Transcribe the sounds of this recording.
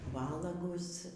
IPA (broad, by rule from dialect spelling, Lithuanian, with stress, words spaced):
ˈʋɑːlˠɐɡʊs